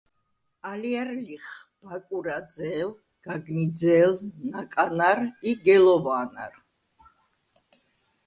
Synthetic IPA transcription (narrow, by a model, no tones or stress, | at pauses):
aliaɾliχb̥akʼuɾad̪zɛːl | ɡ̥aɡnid̪zɛlnakʼanaɾiɡɛlɔvaːna̰ɾ